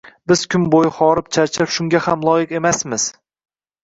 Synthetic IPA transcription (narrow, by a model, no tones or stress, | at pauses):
bɪzkʰʲʊmbojɪχɒɾɪp̚t͡ʃʰaɾt͡ʃʰɪɪpʃʊŋɡʲahamlˠɒjɪqe̞masmɪz̥